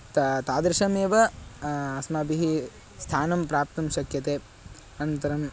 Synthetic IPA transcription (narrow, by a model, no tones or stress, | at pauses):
t̪t̪aːd̪ɾiʃɐmeːʋɐ | ɐsmɐbiɦi | st̪ʰaːnɐmpɾaːp̚t̪ɐmʃɐkjɐt̪eː | ɐnɐnt̪ɐɾɐm